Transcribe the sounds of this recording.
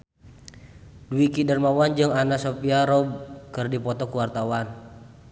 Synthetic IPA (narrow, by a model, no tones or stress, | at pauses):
duikidərmawand͡ʒɨŋanasopiaɾɔb̚kɨrdipɔt̪ɔkuwart̪awan